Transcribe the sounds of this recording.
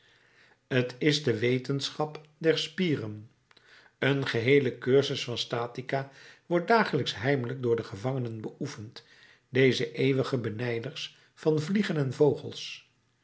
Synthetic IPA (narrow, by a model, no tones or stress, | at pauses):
ətɪzdəʋejtənsχɑpdɛɹspiːrən | ənχəɦejləkøɹzəsfɑnstaːtikaʋɔɹt̚daːχələksɦɛjmələɡ̚dʊːɹdəχəvɑŋənənbəʔufənt | dejzəʔejʋəχəbənɛjdəɹs | fɑnvliχənɛnvowχə̰lˠs